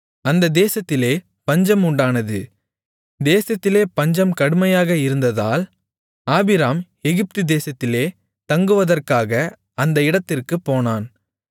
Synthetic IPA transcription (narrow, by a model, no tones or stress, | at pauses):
ɐnd̪ɐd̪eːsɐt̪ːɪleː | pɐɲd͡ʒɐmʊɳɖaːnɐðɯ | d̪eːsɐt̪ːɪleːpɐɲd͡ʒɐmkɐɽɯmɐjaːɣɐɪɾɯnd̪ɐða̰ːl | aːbɪɾaːm | ɛɣɪp̚t̪ɯd̪eːsɐt̪ːɪleː | t̪ɐŋɡɯʋɐðɐrkaːɣɐ | ɐnd̪ɐɪɽɐt̪ːɪrkɯpːoːnaːn